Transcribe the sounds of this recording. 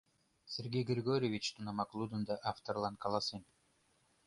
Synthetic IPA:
sʲeɾɡʲejɡɵɾʲɡøɾʲeʋʲit͡ʃt̪unɑmɑklˠud̪und̪ɑʔaft̪orlˠɑnkɑlˠɑsɯn

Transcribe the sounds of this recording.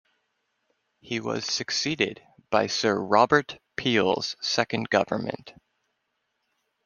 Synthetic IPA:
hiwʌ̰z̥sɨksiɾɪ̰d̚ | b̥aɪsɜ˞ɹɑbə˞tpʰilˠz̥sɛkɨ̃nɡʌvə̰˞mɨ̰̃nt

